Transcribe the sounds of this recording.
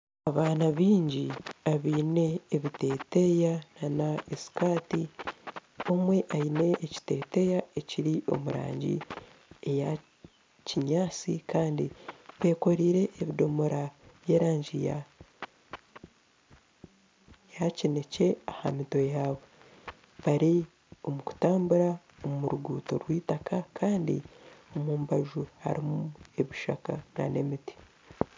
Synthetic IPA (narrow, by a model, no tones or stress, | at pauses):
aβaːnaβiːɲɟiaβiːne̞ːβite̞ːte̞jananaesi̥kaːti | o̞mwe̞ʔaine̞ʔːci̥te̞ːte̞jae̞ciɾiʔo̞̰muɾa̰ːɲɟḭ | eja | ciɲaːt͡sikaːndiβe̞ːko̞ɾiːɾe̞ʔːβidomuɾaβje̞ːɾaːɲɟija | jacinece̞ahamito̞jaːβo | βaɾi | o̞muku̥taːmbuɾa | omuɾuɡuːto̞ɾwiːtakakʰaːndḭo̞muːmbaʒuha̰ɾimue̞βiʃa̰ka̰na̰ne̞miti̥